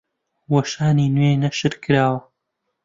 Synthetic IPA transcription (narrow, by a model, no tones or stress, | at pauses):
wɐʃaːniːnweːnɐʃɨɾkʰɨɾaːwɐ